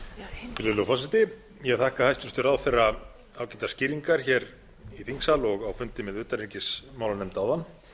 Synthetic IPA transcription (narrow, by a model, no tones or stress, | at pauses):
fɪlɪlʏfɔsɪt̪ɪ | jɛɣθahkahajst̪ʏst̪ʏɾaðfɛɾa | awcɛt̪ḁscɪːɾiŋkaɾ̥çɛːɾ | iθiŋksalɔɣawfʏnt̪ɪmɛðʏːt̪aɾicɪsmaːwlanɛmt̪awðanː